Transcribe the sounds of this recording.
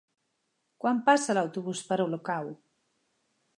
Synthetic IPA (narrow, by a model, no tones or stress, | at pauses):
kwampasalawt̪oβuspaɾolokaw